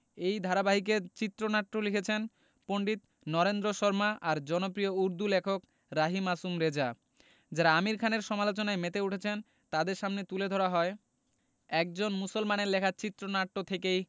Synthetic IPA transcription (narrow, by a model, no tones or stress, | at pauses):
ejd̪ʱaɾabaɦik̬et͡ɕit̪ːɾonaʈːolikʰet͡ɕʰen | poɳɖit̪ | nɔɾend̪ɾoʃɔɾmaʔaɾd͡ʑɔnopɾiouɾd̪ʱulekʰok | ɾaɦimasumɾed͡ʑa | d͡ʑaɾaamiɾkʰaneɾʃɔmalot͡ɕonaemet̪euʈʰet͡ɕʰen | t̪ad̪eɾʃamnet̪uled̪ʱoɾaɦɔe | ɛk̚d͡ʑonmusolmaneɾlekʰat͡ɕit̪ːɾonaʈːot̪ʰekej